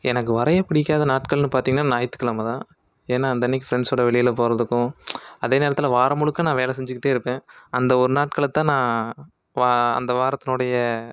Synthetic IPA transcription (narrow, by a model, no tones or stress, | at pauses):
ʔɛnɐkːɯʋɐɾɐjɐpɐɽɪk̬ːaːðɐnaːʈkɐɭnɯpaːɾt̪iːŋɡɐnaːnaːjt̪ːɯ̥kːɐɭaːmɐt̪ãː | eːnːaːɐnd̪ɐnːɪkːɯfɾɛɳsoːɽɐʋɛɭɪjɪlpoːɾɐðɯkːʊ̃ɐðeːneːɾɐt̪ːɪlɐʋaːɾɐmʊɻɯkːɐ̃nãːʋeːlɛsɛɲd͡ʒɯkːɪʈːeːɪɾɯpːẽːɐnd̪ɐɔɾɯnaːʈ̚kɐɭɐt̪ːãːnãː | ʋaːɐ̰nd̪ɐʋaːɾɐt̪ːɪnoːɽɐjɐ